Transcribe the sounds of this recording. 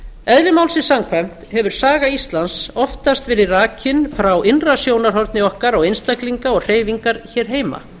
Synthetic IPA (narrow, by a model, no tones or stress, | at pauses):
ɛðvɪmawlsɪsamkʰvɛm̥t̪hɛvʏɾ̥saːɣaist̪lansɔft̪ast̪vɪɾɪraːcʰɪnfɾawʔɪnrasjoːwnaɾ̥ɦɔɾt̪nɪɔhkaɾɔɣejnst̪akliŋkaɔɣr̥eːjviŋkaɾ̥çɛːɾ̥ɦeːjma̰